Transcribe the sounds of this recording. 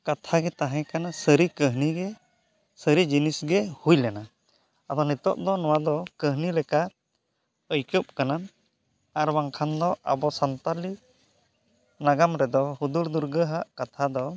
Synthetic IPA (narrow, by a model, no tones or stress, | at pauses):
kat̪ʰaɡɛt̪aɦɛ̃kanasəɾikəɦniɡɛ | səɾid͡ʒinisɡɛhujlɛna | ad̪ɔnit̪ɔʔd̪ɔnɔwad̪ɔkəɦnilɛka | əjkəp̚kana | aɾwaŋkʰand̪ɔʔa̰bɔsant̪ali | naɡamɾɛd̪ɔhud̪uɾd̪uɾɡəɦaʔkat̪ʰad̪ɔ